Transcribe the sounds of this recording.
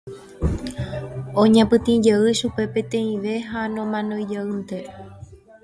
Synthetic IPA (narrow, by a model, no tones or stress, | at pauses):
õɲãpɨ̃t̪ĩd͡ʒeɨʃupe̞pẽ̞t̪ẽ̞ĩʋe̞ɦanõmãnõjd͡ʒeɨnt̪e̞